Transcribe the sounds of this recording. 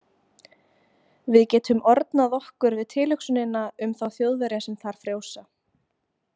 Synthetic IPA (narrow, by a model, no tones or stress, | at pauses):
vɪðcɛːt̪ʰʏmɔɾt̪naðɔhkʏɾvɪðt̪ʰɪːlʏksʏnɪnaʏmθawθjowðvɛɾjasɛmθaɾ̥fɾjoːwsa